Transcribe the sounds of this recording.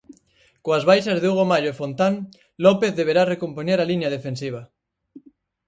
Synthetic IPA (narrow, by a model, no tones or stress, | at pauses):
koazβajʃazðeuɣ̞omaʎoefont̪aŋ | lopeθðeβ̞eɾarekompoɲeɾalinað̞efensiβ̞a